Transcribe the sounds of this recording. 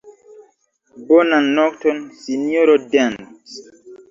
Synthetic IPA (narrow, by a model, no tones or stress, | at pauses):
bonãnːɔktɔnsinioɾodãns